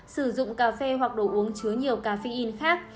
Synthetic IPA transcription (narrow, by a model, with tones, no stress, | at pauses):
sɨ˧˩zʊ̰˧˨ŋ͡mkaː˧˩fe˧ɦwa˨˩k̚ɗo˧˩jʔu˨˦əŋt͡ɕɨ˨˦əɲi˨˩əwkaː˧˩fi˧ʔi˧nxaː˦˥k̚